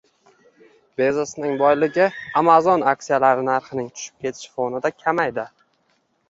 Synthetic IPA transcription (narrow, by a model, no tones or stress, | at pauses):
bezosnɪŋbɒjlɪɡʲɪamazɒnakʲsijalaɾɪnaɾχɪnɪŋt̪ʰʊ̥ʃɪ̥p̚kʲʰe̞t̪ʰɪ̥ʃfonɪd̪akʲʰamajd̪ɪ